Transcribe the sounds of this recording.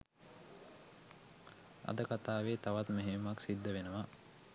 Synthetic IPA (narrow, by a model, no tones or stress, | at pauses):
a̰d̪əkat̪aːʋeːt̪aʋat̪meɦemaksid̪ːəʋenəʋa